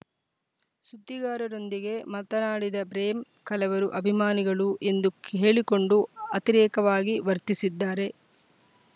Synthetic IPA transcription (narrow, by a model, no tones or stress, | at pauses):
sud̪ːiɡaːɾɐɾo̞nd̪iɡe̞mɐt̪ɐnaːɽid̪ɐpɾeːm | kɐlɐʋɐɾuʔɐbʱimaːniɡɐɭuʔe̞nd̪ukɦe̞ːɭiko̞ɳɖuɐt̪iɾɛːkɐʋaːɡiʋɐɾt̪isid̪ːaːɾe̞